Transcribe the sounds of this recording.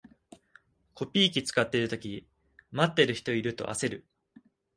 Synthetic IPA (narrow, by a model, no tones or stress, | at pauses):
kʰo̞pʲiːk̬ʲit͡sɨ̥kat̪ːe̞ɾɯ̟t̪o̞kʲi | mat̪ːe̞ɾɯ̟çi̥t̪o̞iɾɯ̟t̪o̞̰ʔa̰se̞ɾɯ̟